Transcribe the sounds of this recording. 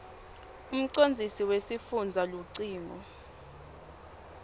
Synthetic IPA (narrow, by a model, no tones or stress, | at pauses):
um̩ǀond͡zʱisiwesifund͡zʱaluǀiːŋɔ